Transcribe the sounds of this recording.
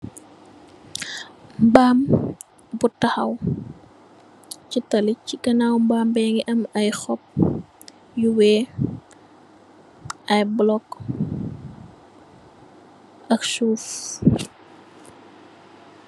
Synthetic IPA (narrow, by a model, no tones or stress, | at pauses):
mbaːm | butɐxɐw | citɐlicːikɐnawmbaːmbɛŋiʔɐmɐjxɔp̚ | juwɛ | ɐjblɔk | ʔɐksuːf